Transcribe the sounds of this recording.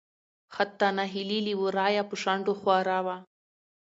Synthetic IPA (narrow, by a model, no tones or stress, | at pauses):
xat̪ːanaɦililiwuɾɑjapəʂaɳɖoxwɑɾawa